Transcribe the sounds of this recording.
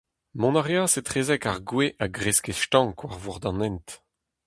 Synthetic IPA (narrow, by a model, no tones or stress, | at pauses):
mɔ̃naʁjaːsetχeːzɛkaʁɡweʔaɡʁeskeʃtɑ̃ŋkʰwaʁvuʁd̪ɑ̃nɛnt̪